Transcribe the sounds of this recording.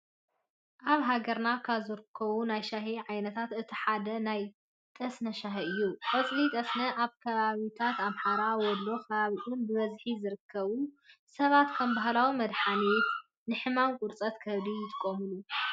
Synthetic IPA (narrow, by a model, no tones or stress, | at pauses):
ʔaβɦaɡɐɾnakʰaβzɨɾɨkʰːɐβunajʃaɦiʕajnɐt̪ʰat̪ɨt̪ʰiħad̪ɐnaj | t̪ʼɐsnɐʃaɦiɨjːukʼɨt͡sʼlit̪ʼɐsnɐʔaβkʰɐβaβit̪ʰat̪amħaɾawɔd̪lo̞kʰɐβaβiʔunbɨβɐzħizɨɾɨkʰːɐβusɐβat̪kʰɐmbaɦlawimɐd̪ħanet̪ | nɨħɨmamkʼuɾt͡sʼɐt̪kʰɐβd̪ijɪt̪ʼɨ̥kʼːomɨlu